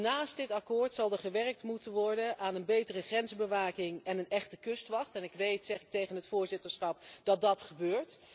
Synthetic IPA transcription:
naːstdɪtɑkoːɹtsɑlˠdəɹχəʋɛrk̚tmutənʋɔɹdənʔaːnənbejtərəχrɛnzbəʋaːkɪŋɛnənɛχtəkɵstʋɑχtɛnɪkʋejtsɛχɪk̚tejχənɦətfʊːɹzɪtəɹsχɑp̚d̥ɑt̚dɑtχəbøːɹt

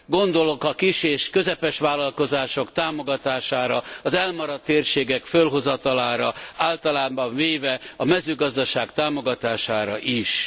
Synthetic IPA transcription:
ɡo̞nd̪o̞lo̞kɒkiʃeːʃkø̞zɛpɛʃʋaːlːɒlkozaːʃokt̪aːmo̞ɡɒt̪aːʃaːɾɒɒzɛlmɒɾɒt̪ːeːrʃeːɡɛkfølɦo̞zɒt̪ɒlaːɾɒaːlt̪ɒlaːbɒɱveːvɛɒmɛzøːɡɒzd̪ɒʃaːkt̪aːmo̞ɡɒt̪aːʃaːɾɒ̰ʔiʃ

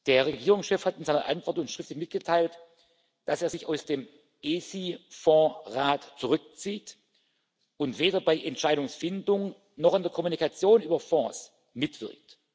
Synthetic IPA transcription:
d̥eːɐʁeɡiːʁ̞ʊŋsʃɛfhatɪnzaɪnɐ̰ʔa̰ntv̥ɔɐtʊntʃʁ̥ɪftlɪçmɪt̚ɡ̥ətʰaɪlt | d̥aseːɐzɪçaʊsd̥eːm | ʔeːsiːfɔ̃ːʁaːtt͡suʁʏk̚t͡siːt | ʊntv̥eːɾɐbaɪʔɛntʃaɪɾʊŋsfɪndʊŋ | nɔχɪndeːɐkʰɔmunikat͡sjoːnyːbɐfɔ̃ːs | mɪtv̥ɪɐk̚t

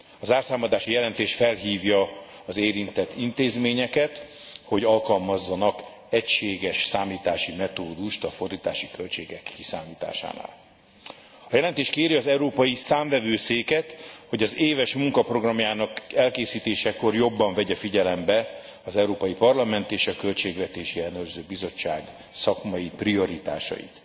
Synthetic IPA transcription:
ɒzaːrsaːmɒd̪aːʃijɛlɛnt̪eːʃfɛlɦiːvjɒ | ɒzeːɾint̪ɛt̪ːint̪eːzmeːɲɛkɛt̪ho̞ɟɒlkɒlmɒzːɒnɒk | ɛcʃeːɡɛʃsaːmiːt̪aːʃimɛt̪oːd̪uʃt̪ɒfo̞rd̪iːt̪a̰ːʃikø̞lt͡ʃeːɡɛkːisaːmiːt̪a̰ːʃa̰ːna̰ːl | ɒjɛlɛnt̪eːʃkeːɾiɒzɛwɾoːpɒjisaːɱvɛvøːseːkɛt̪ho̞ɟɒzeːvɛʃmuŋkɒpro̞ɡrɒmjaːnɒkɛlkeːsiːt̪eːʃɛko̞rjo̞bːɒɱvɛɟɛfiɟɛlɛmbɛ | ɒzɛwɾoːpɒjipɒrlɒmɛnt̪eːʃɒkø̞lt͡ʃeːɡvɛt̪eːʃiɛlnøːrzøːbizo̞t͡ʃːa̰ːɡ | sɒkmɒjiprio̞ɾit̪a̰ːʃɒ̰jḭt̪

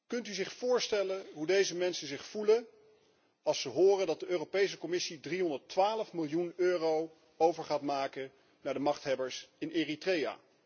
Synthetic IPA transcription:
kɵntyzɪχfʊːɹstɛləɦudejzəmɛnsənzɪχfulə | ɑlˠsəɦʊːrəndɑt̚dəʔøːropejs̬əkɔmɪsidriɦɔndəɹtʋaːləfmɪlˠjunøːrow | owvəɹχaːtmaːkən | naːɹdəmɑχtɦɛbəɹsɪneːritreja̰ː

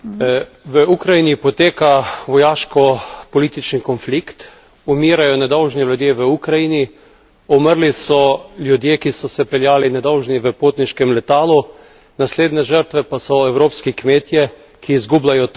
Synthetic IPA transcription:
ʋəukɾajinipɔt̪eːkaʋɔjaːʃkɔpɔliːt̪it͡ʃnikɔnflikt̪ | umiːɾajɔnɛd̪ɔwʒnilʲjud̪jeːʋəukɾajini | ɔməɾlisɔlʲjud̪jeːkisɔsɛpɛljaːlinɛd̪ɔwʒniʋəpoːt̪niʃkɛmlɛt̪aːlu | nasleːd̪nɛʒəɾt̪ʋɛpasɔɛwɾoːpskikmeːt̪jɛ | kʰiːzɡublajɔt̪

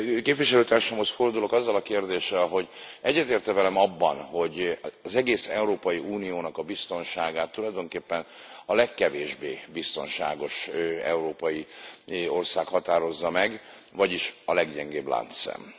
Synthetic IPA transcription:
keːpvʋiʃɛløːt̪aːrʃaːmo̞sfo̞rd̪ulo̞kɒzːɒlɒkeːrd̪eːʃːɛlɦo̞ɟɛɟːɛt̪eːrt̪ɛvɛlɛmɒbːɒnho̞ɟɒzɛɡeːsɛuɾoːpɒjiuːnijoːnɒkɒbist̪o̞nʃaːɡaːt̪ːulɒjd̪o̞ŋkeːpːɛnɒlɛkːɛveːʒbeːbist̪o̞̰nʃa̰ːɡo̞ʃɛ̰uɾoːpɒji | o̞rsaːkhɒt̪aːɾo̞zːɒmɛɡ | vɒɟiʃɒlɛɡɟɛŋɡeːbla̰ːnt̪sɛ̰m

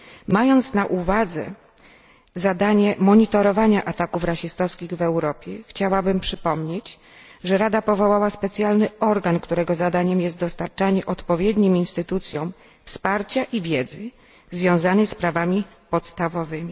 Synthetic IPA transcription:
majɔnt̪snaʔuvad̪zɛ̰ | zad̪aɲɛmɔɲit̪ɔɾɔvaɲaʔat̪akufɾaɕist̪ɔskʲiɣvɛwɾɔpʲjɛxt͡ɕawabɘmpʂɘpɔmɲet͡ɕ | ʐɛɾad̪apɔvɔwawaspɛt̪sʲjalnɘɔɾɡankt̪uɾɛɡɔzad̪aɲɛmjɛst̪ɔst̪aɾt͡ʂaɲɛʔɔt̪pɔvʲjɛd̪ɲiminst̪ɘt̪ut̪sʲjɔ̃w̃ | fspaɾt͡ɕaʔivʲjɛd̪zɘ | zvʲjɔ̃w̃zanɛjspɾavamʲi | pɔt̪st̪avɔvɘmʲi

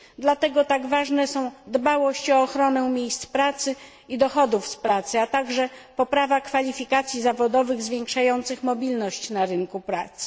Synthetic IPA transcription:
d̪lat̪ɛɡɔt̪aɡvaʐnɛsɔ̃w̃d̪bawɔɕt͡ɕɔːxɾɔnɛmʲjejst̪spɾat̪sɘ | id̪ɔxɔd̪ufspɾat̪sɘat̪aɡʐɛpɔpɾavakfalʲifʲikat̪sʲjizavɔd̪ɔvɘɣzvʲjɛŋkʂajɔnt̪sɘxmɔbʲilnɔɕt͡ɕnaɾɘŋkupɾa̰t̪sɘ̥

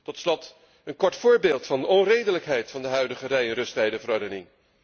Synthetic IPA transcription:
tɔtslɔt | ənkɔɹtfʊːɹbeːlˠtfɑndəʔɔnrejdələkɦɛjtfɑndəɦœɥdəχərɛjənrɵstɛjdəvəɾɔɹdənɪŋ

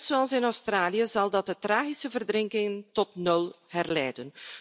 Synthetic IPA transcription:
tsoɑlˠsɪnɔwstraːlijəzɑlˠdɑt̚dətraːɣisəvərdrɪŋkɪŋtɔtnɵlˠɦɛrlɛːjdən

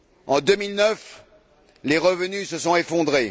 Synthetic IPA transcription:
ɑ̃d̪ømilnœf | leʁəvənysəsɔ̃efɔ̃d̪ʁe

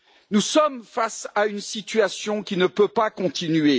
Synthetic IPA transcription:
nusɔmfasaynsit̪ɥasjɔ̃kʲinəpøpakɔ̃t̪inɥe

